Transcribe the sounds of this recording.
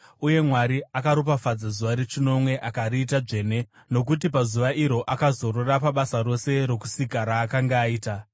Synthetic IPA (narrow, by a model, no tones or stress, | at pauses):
uje̞mwaɾiakaɾop̬afad͡zazuʋaɾet͡ʃino̞mwe̞ʔakaɾiːtaʐe̞ːne̞ | no̞k̬ut̬ipazuʋaʔiɾo̞ʔakazo̞ɾorapaɓasaro̞se̞ɾe̞ku̥sikaɾaːkaŋɡaːiːta